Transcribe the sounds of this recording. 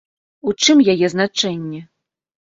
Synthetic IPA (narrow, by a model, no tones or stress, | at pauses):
ut͡ʂɨmjajɛznat͡ʂɛnʲːɛ